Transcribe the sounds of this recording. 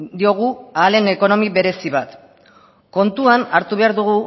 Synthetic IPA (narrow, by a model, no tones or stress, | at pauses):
d̪io̞ɣ̞uaːle̞ne̞ko̞no̞miβe̞ɾe̞siβat̪ | ko̞nt̪uanaɾt̪uβe̞aɾðuɣ̞u